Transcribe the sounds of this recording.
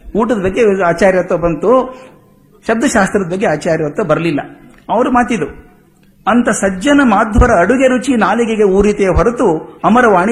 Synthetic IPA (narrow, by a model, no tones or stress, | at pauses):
uːʈɐd̪ɐbɐɡːeaːt͡ʃaːɾjɐt̪ːɐbɐnt̪u | ʃɐb̚d̪ʱɐʃaːst̪ɾɐd̪ɐbɐɡːeaːt͡ʃaːɾjɐɐt̪ːɐbɐɾɐlilːɐ̰ | ɐʋɐɾumaːt̪id̪u | ɐnt̪ɐsɐd͡ʒɐnɐmaːd̪ʱʋɐɾɐːɽuɡeɾut͡ʃinaːliɡeɡeuːɾit̪eːɦɐɾut̪uɐmɐɾɐʋaːɳi